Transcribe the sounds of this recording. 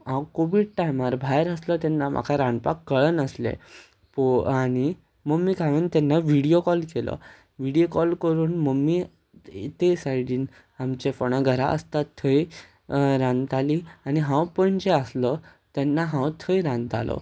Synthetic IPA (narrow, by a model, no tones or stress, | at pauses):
ɦãwkoʋiɽ̚ʈajmaɾbʱajɾəslət̪ɛnːamʔa̰kʰaɾãɳpakːəɭənəslḛ | pañi | məmːiːkʰaʋint̪ɛnːaʋiɽijokɔlkelɔ̰ | ʋiɽijokɔlkəɾuːnməmːiː | t̪esajɽiːn | amt͡ɕefəɽ̃əɡʱəɾa̰ʔə̰st̪at̪ʰːəi | ɾãnt̪aliañiɦãwpə̃ɲt͡ɕeəslət̪ɛnːaɦãwt̪ʰəjɾãnt̪a̰lɔ̰